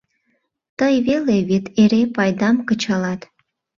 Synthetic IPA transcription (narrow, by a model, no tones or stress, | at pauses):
t̪əjβeleβet̪eɾepɑjd̪ɑmkət͡ɕɑlɑt̪